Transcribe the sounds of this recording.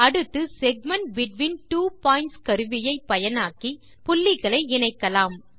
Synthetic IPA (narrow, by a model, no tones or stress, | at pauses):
ɐɽɯt̪ːɯsɛɡ̚mɐnʈ̚bɪʈʋiːnʈuːpaːɪnʈskɐɾɯʋɪjɐɪpːɐjɐnaːki | pʊlːɪɣɐɭɐɪɪnɐɪkːɐlaːm